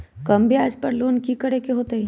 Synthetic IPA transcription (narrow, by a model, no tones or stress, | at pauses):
kɐmbʱiaːd͡ʒpɐɾloːnkikɐɽekeɦoːt̪eɦi